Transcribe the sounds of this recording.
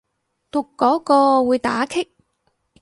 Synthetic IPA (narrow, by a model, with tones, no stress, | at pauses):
t̪ʊ˨kːɔː˨˥kɔː˧wuː˨˧jt̪aː˨˥kʰɪ˥k̚